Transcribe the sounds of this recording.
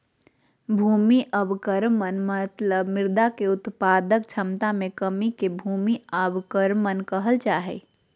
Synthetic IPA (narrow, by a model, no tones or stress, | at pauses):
bʱuːmiʔəbkəɾmənmət̪ləbmɪɾd̪akeʊt̪paːd̪ək̚t͡ʃʰəmt̪amẽkəmikebʱuːmiəbkəɾmənkəɦəlt͡ʃaːɦḛ